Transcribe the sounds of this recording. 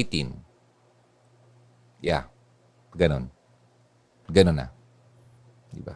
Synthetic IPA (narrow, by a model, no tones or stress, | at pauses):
it̪in | ja̰ | ɡɐnon | ɡɐnonːa̰ | d̪ɪ̰ba̰